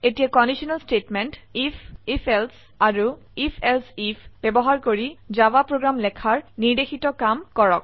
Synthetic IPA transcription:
etijakɔndisɔnalstetmɛntifʰifʰɛls | aɹu | ipʰɛlsipʰb̥ɛbɔɦaɹkoɹizabapɹoɡɹamlɛkʰaɹniɹdexitɔkamkɔɹɔk̚

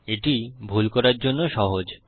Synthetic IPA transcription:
eʈibʱulkɔɾaɾd͡ʑonːoʃɔɦod͡ʑ

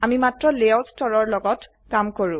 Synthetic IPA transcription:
amimatɹɔleɔlstɔɹɔɹlɔɡɔt | kamkoɹũ

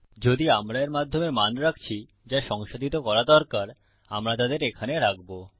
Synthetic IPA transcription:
d͡ʑod̪iamɾaeɾmad̪ʱːomemanɾak̚ʰt͡ɕʰi | d͡ʑaʃɔŋʃod̪ʱit̪okɔɾad̪ɔɾkaɾ | a̰mɾat̪ad̪eɾekʰaneɾak̚bo

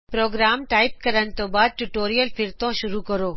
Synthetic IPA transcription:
pɾoːɡɾaːmʈaːɪp̚kɐɾənɪ̆t̪õːbaːd̪̚ʈʊʈoːɾijəlfʰɪɾt̪õʃʊɾukɐɾoː

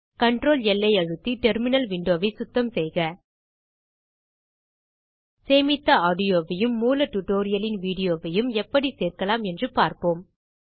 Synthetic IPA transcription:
kɐɳʈɾoːlɛlːɐɪɐɻɯt̪ːiʈɛɾmɪnɐlʋɪɳɖoːʋɐɪsʊt̪ːɐmsɛjɣɐ | seːmɪt̪ːɐaːɽɪjoːʋɐjɯmːuːlɐʈuʈoːɾɪjɐlɪnʋiːɽɪjoːʋɐjɯmɛpːɐɽiseːɾkɐlaːmɛndrɯpaːɾpoːm

